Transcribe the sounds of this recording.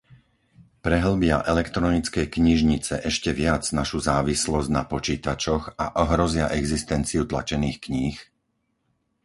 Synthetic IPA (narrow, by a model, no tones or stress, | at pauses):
pɾɛɦl̩bɪaʔɛlɛkt̪ɾɔnit͡skɛjkɲiʒɲit͡sɛ̰ʔɛʃcɛʋɪad͡znaʃuzaːʋislɔzɟnapɔt͡ʃiːt̪at͡ʃɔxaʔɔɦɾɔzɪaʔɛɡzist̪ɛnt͡siut̪la̰t͡ʃɛniːxkɲiːx